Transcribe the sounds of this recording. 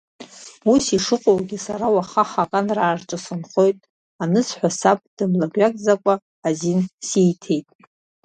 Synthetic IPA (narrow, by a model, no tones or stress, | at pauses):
usiʂɨqʼowɡʲisaɾawaχaχaqʼanraːrt͡ʃʼɨsɨnχo̞jtʼ | anɨsħʷᶣasap̚ʼd̥ɨmlabʷakʼzakʷʼaː | zinsijtʰe̞jtʼ